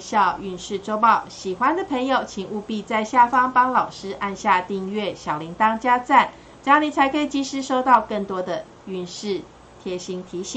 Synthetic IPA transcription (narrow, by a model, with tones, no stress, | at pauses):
ɕjɑ˥˧ʊy˧nʂɻ̩˥˩ʈ͡ʂo˥ʊpɑ˥˩ʊɕi˨˩xwa˦nd̪ə˨pʰə˧˥ŋjo˨˩ʊt͡ɕʰi˨˩ŋu˥˧pi˥˧t͡sa˥˧ɪɕja˥˩fɑ˥ŋpɑ˥ŋlɑ˨˩ʊʂɻ̩˥ʔa˥˧nɕja˥˧t̪i˥˧ŋɥɛ˥˩ɕjɑ˨˩ʊli˨˧˥ŋt̪ɑ˥ŋt͡ɕja˥t͡sa˥˩n | t͡ɕni˨˩t͡sʰa˧˥ɪkʰə˧˥i˨˩t͡ɕi˥ʂɻ̩˥ʂo˥ʊt̪ɑ˥˧ʊkə˥˩ŋt̪wɔ˥d̪ə˨ | y˧˥nʂɻ̩˥˩ | t̪ʰjɛ˥ɕi˧˥ŋt̪ʰi˨˥˦ɕi˨˩˦ŋ